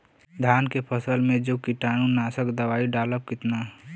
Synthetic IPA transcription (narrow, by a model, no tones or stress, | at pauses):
d̪ʱaːnkepʰəsəlmẽd͡ʒoːkiʈaːnũnaːsəkd̪əʋaːiɖaːləp̚kɪt̪na